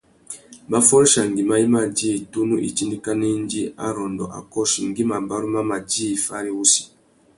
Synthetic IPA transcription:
ma˦fɔ˦ɾi˦ʃa˨ŋ˨ɡi˨ma˦ji˦ma˦˨d͡ʒi˦i˨tu˦nu˦ʔḭ˨t͡ʃi˦ndi˦ka˦ne˦n˦d͡ʒi˦a˦ɾɔ˨ndɔ̰˨ʔa̰˨kɔ˦ʃi˨ŋ˦ɡi˦ma˨ba˦ɾu˦ma˦ma˨d͡ʒi˦i˨fa˦ɾi˦u˦si̥˨

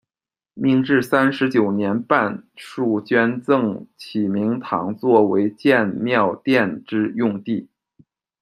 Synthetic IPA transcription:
mi˥˧ŋʈ͡ʂɻ̩˥˩sa˥nʂɻ̩˧˥t͡ɕjo˨˩ʊnjɛ˧˥npa˥˧nʂu˥˩t͡ɕɥɛ˥nt͡sɤ˥˩ŋt͡ɕʰi˨˩mi˧˥ŋt̪ʰɑ̰˧˥ŋt͡swɔ˥˩we˧˥ɪt͡ɕjɛ˥˧nmjɑ˥˧ʊt̪jɛ˥˩nʈ͡ʂɻ̩˥jʊ˥˧ŋt̪i˥˩

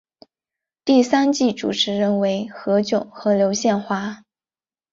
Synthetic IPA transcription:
t̪i˥˩sa˥nt͡ɕi˥˩ʈ͡ʂṵ˨˩ʈ͡ʂʰɻ̩˧˥ɻə˥˩nwe˧˥ɪxɤ˧˥t͡ɕjʊ˨˩ʊxɤ˧˥ljo˧˥ʊɕjɛ˥˧nxwa˥˩

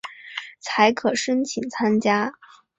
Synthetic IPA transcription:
t͡sʰa˧˥ɪkʰɤ˨˩ʂə˥nt͡ɕʰi˨˩ŋt͡sʰa˥nt͡ɕja˥

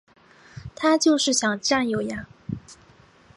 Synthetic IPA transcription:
t̪ʰa˥t͡ɕjo˥˧ʊʂɻ̩˥˩ɕjɑ˨˩ŋʈ͡ʂa˥˩njo˨˧˩ʊja˥˧˥ŋ

